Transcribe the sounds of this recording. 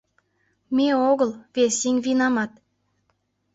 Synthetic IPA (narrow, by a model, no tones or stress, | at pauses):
mʲeoɣəlβesiŋʲβinɑmɑt̪̚